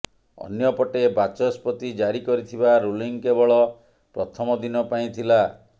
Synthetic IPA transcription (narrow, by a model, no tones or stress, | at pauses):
ɔ̰njɔpɔʈebat͡ʃɔspɔt̪id͡ʒaɾikɔɾit̪ʰibaɾuliŋkebɔɭɔ | pɾɔt̪ʰɔmɔd̪inɔpaĩt̪ʰila